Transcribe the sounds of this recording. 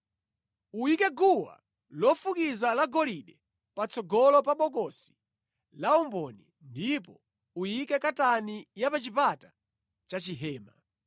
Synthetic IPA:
uikɛɡuwa̰ | lɔfukizalaɡɔliɗɛ | pat͡sɔɡɔlɔpaɓɔkɔsi̥ | laumbɔni | ndipɔ | ujikɛkatanijapat͡ʃipata | t͡ʃat͡ʃiɦɛːma

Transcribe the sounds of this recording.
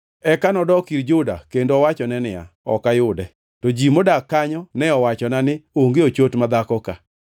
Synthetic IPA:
ɛkanɔdɔkiɾd͡ʒʊda̰kendoɔwat͡ʃɔnɛnɪa̰ɔ̰kajʊdɛ | tɔd͡ʒimodakːaɲɔnɛɔwat͡ʃɔnanɪoŋɡeot͡ʃotmad̪akɔka

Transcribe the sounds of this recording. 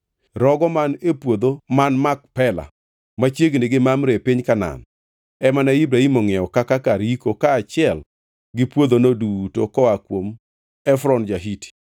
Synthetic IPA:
ɾɔɡɔmanepwod̪omanmak̚pɛla̰ | mat͡ʃjeɡnɪɡɪmamɾepɪɲkana̰n | ɛmanaibɾaimoŋɛɔkakakaɾikokaːt͡ʃɪɛl | ɡɪpwod̪onodutokɔakwom | ɛfɾɔnd͡ʒaɦiti̥

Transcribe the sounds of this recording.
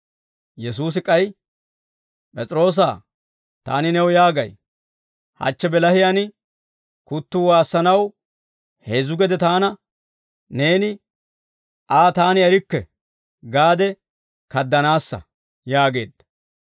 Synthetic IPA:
jɛs̬uːs̬ɪkʼɐj | pʼɛt͡sʼɪɾo̞ːs̬aː | t̪a̰ːnɪnɛwjaːɡɐj | hɐ̰t͡ʃːɛbɛlɐhɪjanɪ | kʊt̪ːuwaːsːɐnɐw | heːzʊɡɛd̪ɛt̪aːnɐ | ne̞ːnɪ | ʔaːt̪aːnɪɛɾɪkːɛ̰ | ɡaːd̪ɛ | kɐd̪ːɐnaːsːɐ̰ | jaːɡe̞̰ːd̪ːɐ̥

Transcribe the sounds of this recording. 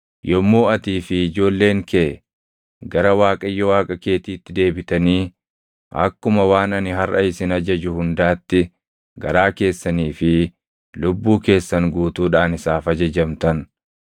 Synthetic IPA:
jʔɔmːo̞ːɐt̪iːfɪɪd͡ʒo̞ːlːe̞ːŋkʰeʔɛ | ɡɐɾɐwaːkʼɐjːɔwaːkʼɐke̞ːt̪iːt̪ːɪd̪e̞ːbɪt̪ɐniː | ʔɐ̰kːʊmɐwaːnɐnɪɦɐrʔɐ̰ɪsɪnɐd͡ʒɐd͡ʒʊhʊnd̪aːt̪ːɪ | ɡɐ̰ɾaːke̞ːsːɐniːfɪ | lʊbːuːke̞ːsːɐŋɡuːt̪uːᶑaːnɪsaːfɐd͡ʒɐd͡ʒɐmt̪ɐn

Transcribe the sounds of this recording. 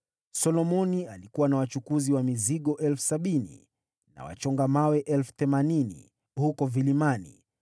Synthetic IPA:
sɔlɔmɔnialikuwanawat͡ʃukuziwamiziɠɔʔɛlfu̥saɓinḭ | na̰wa̰t͡ʃɔŋɡamawɛʔɛlfu̥θɛmaninḭ | hukɔvilimanḭ

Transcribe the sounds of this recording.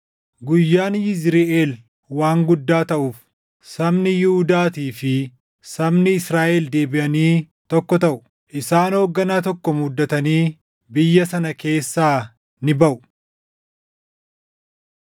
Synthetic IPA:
ɡʊjːaːnjɪzɾɪʔeːl | waːŋɡʊd̪ːaːt̪ɐʔuːf | sɐmnɪjɪhud̪aːt̪iːfɪ | sɐmnɪɪsɾaːʔɛld̪e̞ːbɪʔɐniː | t̪ɔkːɔt̪ɐʔʊ̥ | ʔɪsaːnhoːɡːɐnaːt̪ɔkːɔmud̪ːɐt̪ɐniː | bɪjːɐsɐnɐke̞ːsːaː | nɪbɐʔʊ̥

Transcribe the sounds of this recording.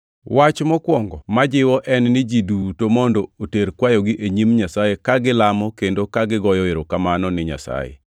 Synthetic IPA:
wat͡ʃmɔkwɔŋɡɔmad͡ʒɪwɔʔɛnnɪd͡ʒidutomɔndooteɾkwajɔɡɪʔeɲimɲasajekaɡɪlamɔkendokaɡɪɡɔjɔɪɾokamanɔnɪɲa̰sa̰jḛ

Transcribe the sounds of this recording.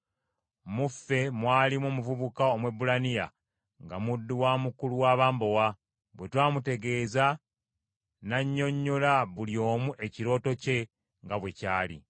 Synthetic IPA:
mufe̞mwaːlimoːmuvuβukaomwe̞bulanija̰ | ŋɡamudːuwamukuluwaːβaːmbo̞wa | βwe̞twaːmute̞ɡe̞ːza | naɲːo̞ɲːolaβuljo̞ːmuʔe̞ciɾo̞ːto̞ce̞ | ŋɡaβwe̞caːlḭ

